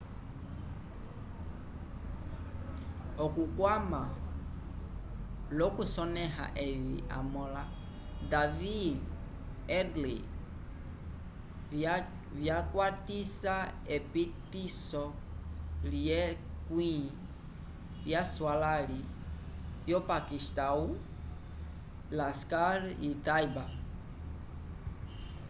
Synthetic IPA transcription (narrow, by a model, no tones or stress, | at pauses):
ɔkukwama | lɔkusɔnɛɦa̰ʔɛvḭʔa̰mɔla | david | ɛdli | vjakwatisaɛpitisɔ | liɛ | kwĩ | ljaswalali | vjɔpakistau | laskaɾitaiba